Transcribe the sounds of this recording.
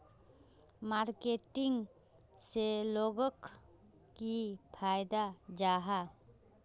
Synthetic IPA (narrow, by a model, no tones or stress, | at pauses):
maɾkeʈiŋɡ | seloɡɔk | kipʰajd̪ad͡ʒaɦa